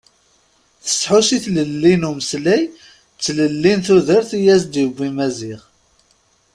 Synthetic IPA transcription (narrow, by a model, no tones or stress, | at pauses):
θə̥sħusiθləlːinuməslæj | t͡sːləlːinθuðəɾθijæzd̪jəvːimæziʁ